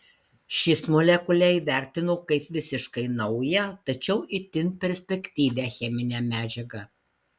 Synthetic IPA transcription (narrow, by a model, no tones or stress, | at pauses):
ʃʲɪsmɔlʲɛkʊlʲɛiʋʲæˑɾʲt̪ʲɪnoːkɐɪpʋʲɪsʲɪʃkɐɪnɐʊjɛt̪ɐt͡ʃʲɛʊʔɪt̪ʲɪnpʲɛɾʲsʲpʲɛkʲt̪ʲiːʋʲæxʲɛmʲɪnʲɛmʲæːd͡ʒʲɛɡɐ